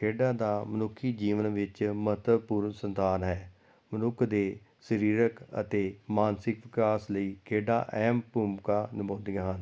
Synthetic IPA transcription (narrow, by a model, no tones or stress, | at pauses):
kʰeːɖaːd̪aːmənʊkʰːiːd͡ʒiːʋənʋɪt͡ʃmət̪əpuːɾnsənt̪aːnɦɛː | mənʊkʰd̪eː | səɾiːɾəkə̰t̪eːmaːnsɪkʋɪkaːsləiːkʰeːɖa̰ːʔɛːmpuːmkaːnɪbõːnd̪ijãːɦən